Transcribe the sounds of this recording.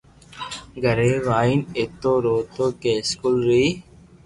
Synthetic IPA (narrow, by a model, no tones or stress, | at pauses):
ɡəɾeːʋaːinet̪oːɾoːt̪oːkeːskulɾiː